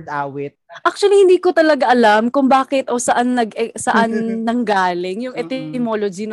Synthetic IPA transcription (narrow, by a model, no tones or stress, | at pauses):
d̪ʔaːwɪt̪̚ʔak̚t͡ʃ̪ʊɐlihɪnd̪iːkot̪ɐlɐɡaʔɐlamkʊŋbaːkɪt̪ʔoːsɐʔanːɐɡɛsɐʔanːɐŋɡaːlɪŋjʊŋʔɛt̪ɛmoːlod͡ʒin